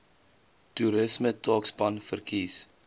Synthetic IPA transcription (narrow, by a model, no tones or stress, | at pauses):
tuɾəsmətɑːksbɐnfərkiːs